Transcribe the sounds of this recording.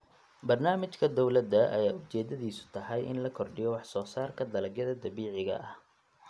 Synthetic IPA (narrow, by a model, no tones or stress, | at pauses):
bɐrnaːmɪt͡ʃkʰɐd̪ɔwlɐd̪ːɐʔɐ̰jaːʊt͡ʃɛːd̪ɐðiːsʊ̥t̪ʰɐɦɐjʔɪ̰nlɐkʰɔrɖɪjɔwɑħsɔːsaːrkʰɐd̪ɐlɐɡjɐðɐd̪ɐβiːʕɪɣɐ̰ʔɐh